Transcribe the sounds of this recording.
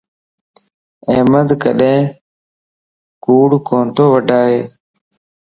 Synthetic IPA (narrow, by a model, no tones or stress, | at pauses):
eːməd̪kə̰ɗẽː | kuːɽkõːnt̪oːʋəɖʱaːɦeː